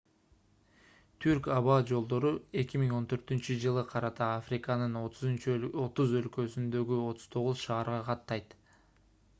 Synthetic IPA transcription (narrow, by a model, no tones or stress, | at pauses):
t̪ʰyɾkɑβɑd͡ʒo̞lˠd̪o̞ɾue̞kʲimiŋo̞nt̪ʰø̞ɾt̪ynt͡ʃyd͡ʒɯlˠɯqʰɑɾɑt̪ɑafrʲɪkɑnɯnot̪ʰzunt͡ʃo̞t̪uzø̞lkø̞synd̪ø̞ɡyo̞t̪u̥z̥t̪ʰo̞ʁuzʃɑːɾʁɑqʰɑt̪ːɑjt̪